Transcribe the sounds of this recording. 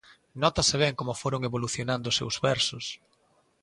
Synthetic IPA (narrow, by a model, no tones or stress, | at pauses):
nɔt̪asɪβ̞ɛŋkomʊfoɾoŋeβoluθjonãnd̪ʊsḛwzβɛɾsʊs